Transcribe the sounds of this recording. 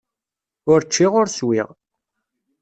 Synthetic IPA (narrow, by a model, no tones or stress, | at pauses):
ʊɾt͡ʃːiʁʊɾswḭʁ